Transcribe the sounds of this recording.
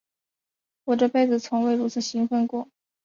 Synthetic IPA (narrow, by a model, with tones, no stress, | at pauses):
wɔ˨˩ʈ͡ʂɤ˥˧pe˥˩ɪd͡zɹ̩˨˩t͡sʰʊ˧˥ŋwe˥˩ɪɻu˧˥t͡sʰɹ̩˨˩ɕi˧˥ŋfə˥˧nkwɔ˥˩